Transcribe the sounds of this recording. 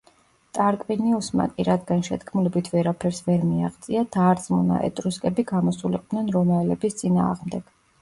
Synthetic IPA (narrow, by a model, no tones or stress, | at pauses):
t̪ʼaɾkʼviniusma̰kʼiɾad̪ɡanʃɛ̰d̪ɡʰmulɛbit̪ʰvɛɾapʰɛɾsvɛɾmia̰ʁt̪sʼiad̪̥aːɾt̪sʼmuna̰ʔɛ̰t̪ʼɾuskʼɛbiɡamɔsuliq̪ʼnɛnɾɔmaɛlɛbist̪sʼina̰ːʁmd̪ɛɡ̥